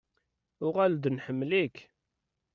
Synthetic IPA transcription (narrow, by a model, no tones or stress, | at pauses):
ʊʁæld̪nħəmːlik